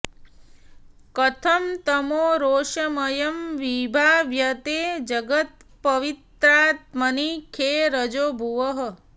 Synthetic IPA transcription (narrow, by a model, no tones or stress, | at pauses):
kɐt̪ʰɐmt̪ɐmoːɾoːʃɐmɐjɐmʋibʱaːʋjɐt̪eːd͡ʒɐɡət̪̚pɐʋit̪ɾaːt̪̚mɐnikʰeːɾɐd͡ʒoːbʱuʋəɦə̆